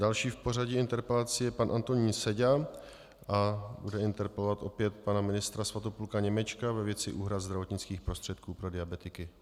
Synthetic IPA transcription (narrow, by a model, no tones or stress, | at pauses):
dalʃiːfpo̞raɟɪɪnt̪ɛɾpɛlat͡sɪjɛpanʔant̪o̞ɲiːnsɛɟa | ʔabudɛɪnt̪ɛɾpɛlovat̪ʔo̞pjɛt̪̚panamɪnɪst̪ɾasvat̪opulkaɲɛmɛt͡ʃkavɛvjɛt͡sɪʔuːɦɾad̪zd̪ɾavo̞t̪ɲɪt͡skiːxpɾost̪r̥ɛt̪kuːpɾo̞dɪabɛt̪ɪkɪ